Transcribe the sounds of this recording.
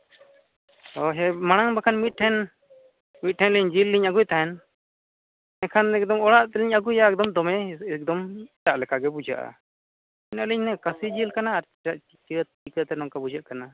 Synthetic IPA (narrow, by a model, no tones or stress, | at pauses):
ɔɦɛmaɽ̃aŋbakʰanmit̪̚ˀʈʰɛn | mit̪̚ʈʰɛnliɲd͡ʒilːiɲaɡujt̪aɦɛn | nɛkʰanɛk̚d̪ɔmɔɽaʔt̪ɛliɲaɡujaɛk̚d̪ɔmd̪ɔmɛɛk̚d̪ɔmtaʔlɛkʰaɡɛbud͡ʒa̰ʔa̰ | ɛnaʔliɲnɛkasid͡ʒilkanaːɾ | aʔ | t͡ʃi | ikət̪ɛnɔŋkabud͡ʒaʔkana